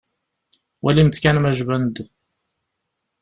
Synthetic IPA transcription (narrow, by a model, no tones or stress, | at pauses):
wʔælimθkænmæʒvænd̪